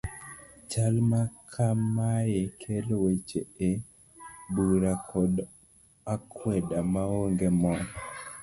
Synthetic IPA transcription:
t͡ʃalmakʰamajekʰelwet͡ʃee | buɾakʰɔd | akʰwɛdamaoŋɡemɔ

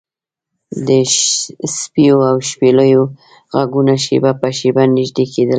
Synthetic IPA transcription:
d̪ə | spijoawʃpeləjo | ɣaɡunaʃebapəʃebanɪʒd̪ekʰed̪əl

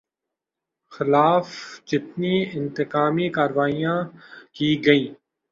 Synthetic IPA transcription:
xɪlaːfd͡ʒɪt̪niɪ̃nt̪ɪkaːmikaːɾʋaːijãːkiːɡɐĩː

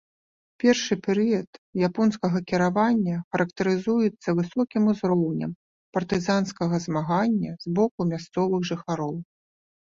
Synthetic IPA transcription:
pʲɛrʂɨpʲɛɾɨjɐt̪japɔnskɐɣɐkʲiɾavanʲːɐxɐɾɐkt̪ɐɾɨzujɛt̪sːɐvɨsɔkʲimuzɾɔwnʲɐ̰m | pɐrt̪ɨzanskɐɣɐzmaɣanʲːɐzbɔkumʲast̪sɔvɨɣʐɨxaɾɔw

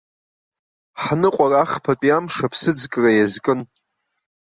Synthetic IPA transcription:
ħnɨqʷʼaraχpʰat͡pʼijamʂapʰsɨd͡zkʼrajazkʼɨn

